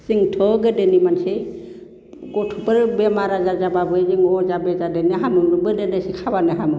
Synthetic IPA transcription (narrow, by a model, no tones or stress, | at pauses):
siŋtʰɔɡɯdɯnimanse | ɡɔtʰupɯɾbemaɾazazababɯjziŋɔzabezadɯnɯɦamɯbɯndɯnasikʰabanɯɦamɯ